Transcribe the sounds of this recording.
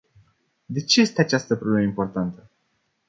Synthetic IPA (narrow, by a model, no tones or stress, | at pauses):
d̪e̞t͡ʃe̞je̞st̪eat͡ʃast̪əpɾo̞bleməimpo̞rt̪ant̪ə